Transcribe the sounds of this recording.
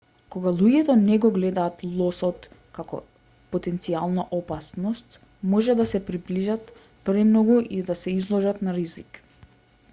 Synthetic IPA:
kɔɡalˠuɟɛt̪ɔnɛɡɔɡlɛd̪aːt̪lˠɔsɔt̪kakɔ̰ | pot̪ɛnt̪sialˠnaʔɔpasnɔst̪ | mɔʒɛd̪asɛpɾibliʒat̪ | pɾɛmnɔɡuʔid̪asɛizlˠɔʒat̪naɾizik

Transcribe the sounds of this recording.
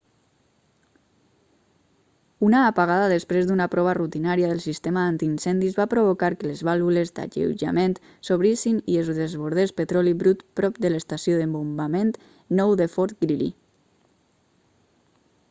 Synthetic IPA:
unaːpaɣaðaðəspɾezd̪unapɾɔβ̞ərut̪inaɾijaðəlˠsist̪emaant̪insɛnd̪izβapɾoβ̞okaɾkələzβalˠβulezd̪a̰ʎḛwʒa̰ment̪ | soβɾisinielzðezβoɾð̞espət̪ɾɔliβɾut̪pɾɔpd̪ələst̪asjoðəmbumbament̪ | nɔwðəfɔɾt̪ɡɾilḭ

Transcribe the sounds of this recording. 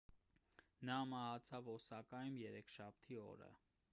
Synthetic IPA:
nɑmɑhɑt͡sʰɑvɔsɑkɑjumjɛɾɛkʰʃɑp̚ʰt̪ʰiɔ̰ɾə̰

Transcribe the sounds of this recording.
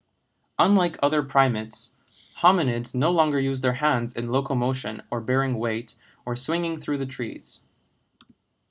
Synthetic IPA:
ʔə̃nlaɪkʰʌðə˞pʰɹ̥ãɪ̃mɨts | hɑmɨnɪdz̥noʊlɔ̃ŋɡə˞jʉzðə˞hæ̃ndzɨ̰̃nloʊkol̩ˠmoʊʃɨ̰̃nə˞bɛɹɪ̃ŋweɪɾ | ʔə˞swɪ̃ŋɪ̃ŋθɹʉðɨtʰɹ̥ḭz̥

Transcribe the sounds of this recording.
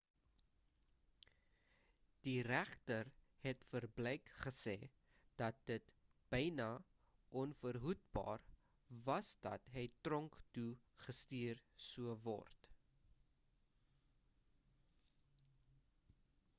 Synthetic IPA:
d̥iræχtərhɛtfərblɛjkχəsɛ̰ː | d̥ɐt̚dət | b̥əjnɐ | ʔɔnfərɦut̚bɑ̰ːr | vɐsdɐ̰tɦəjtrɔŋktu | χəstiːrsuəvɔ̰rt

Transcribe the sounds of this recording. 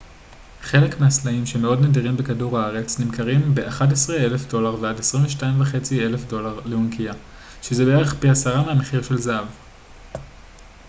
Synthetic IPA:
χe̞le̞kmeaslaimʃe̞meo̞dnediʁimbekaduʁaaʁe̞t͡snimkaʁimbeʔaχat̬esʁeele̞fdo̞laʁveadesʁimveʃtaimvaχe̞t͡sie̞le̞fdo̞laʁleunkia | ʃezebeeʁeχpiasaʁameame̞χiʁʃe̞lzaav

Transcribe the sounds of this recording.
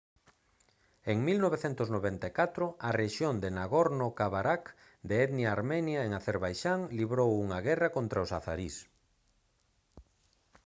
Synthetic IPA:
eŋmilnoβeθent̪ʊznoβɛnt̪akat̪ɾʊareʃjond̪enaɣoɾnokaβaɾak | d̪eɛðnjaaɾmɛnjaeŋaθeɾβajʃaŋliβɾowuŋaɣɛrakont̪ɾaosaθa̰ɾis

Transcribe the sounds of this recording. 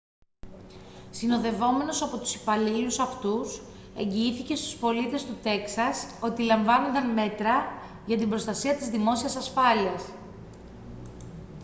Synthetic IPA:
sino̞ðe̞vo̞me̞no̞sɐpo̞t̪u̥si̥pɐlilusɐft̪us | e̞ɲɟiiθice̞st̪u̥spo̞lit̪e̞st̪ut̪e̞ksɐso̞t̪ilɐɱvɐno̞nd̪ɐnme̞t̪ɾɐ | ʝɐt̪imbɾo̞st̪ɐsiɐt̪izðimo̞siɐsɐsfɐliɐs

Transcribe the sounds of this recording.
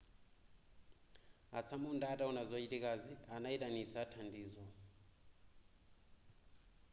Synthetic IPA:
a̰t͡sʰamundaːtaunazʷat͡ʃitikazianaitanit͡sʰatʰandiːzɔ

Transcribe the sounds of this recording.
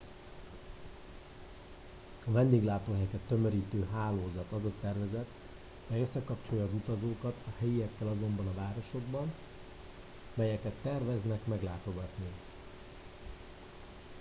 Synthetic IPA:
ɒvɛnd̪eːɡlaːt̪oːɦɛjkɛt̪ːømøɾiːt̪øːɦaːloːzɒt̪ɒzɒsɛrvɛzɛt̪ | mɛjøsːɛkɒpt͡ʃo̞jɒːzut̪ɒzoːkɒt̪ʰɒhɛjiɛkːɛlɒzo̞mbɒnɒvaːɾo̞ʃo̞ɡbɒn | mɛjɛkɛt̪ːɛrvɛznɛkmɛɡlaːt̪o̞ɡɒt̪ni

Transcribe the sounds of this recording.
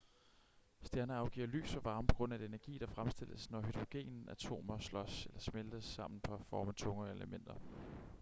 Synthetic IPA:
sd̥jæɐnəɑ̈ʊɡ̥ḭɐ̰ly̰ːsɒʋɑ̈ːməpʰɒ̽ɡ̥ʁɔ̽n̰æd̥e̝næɐɡ̥ḭːd̥ɑ̈fʁamsd̥e̝l̰əsnɒɦyd̥ʁo̝ɡ̥e̝̰ːnn̩æt͡sʰo̝̰ːmɐslɒ̽selɐsmeld̥əsɑ̈m̰n̩pʰɒ̽æfɒːmæt͡sʰɔ̽ŋɐeləmen̰d̥ɐ

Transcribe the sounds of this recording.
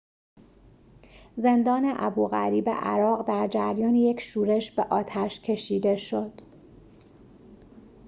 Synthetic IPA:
ze̞nd̪ɒːneʔæ̰buːɣæ̰ɾiːbḛʔæ̰ɾɒːɣd̪æɾd͡ʒæɾjɒːnije̞cʰʃuːɾe̞ʃbeʔɒːt̪ʰæʃcʰe̞ʃiːd̪e̞ʃo̞d̪̥

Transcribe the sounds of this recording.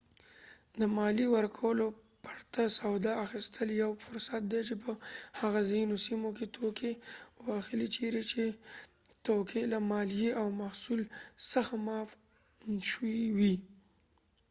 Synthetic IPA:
d̪əmɑliwəɾkʰawəlo | pḁɾt̪asawd̪ɑaxist̪ʰəljawfʊɾsat̪̚d̪et͡ʃepəhaɣazajunosimoket̪ʰokʰewɑxəlit͡ʃʰeɾet͡ʃe | t̪okʰelamɑljiawmahsulsaxmɑf | ʃwiwi

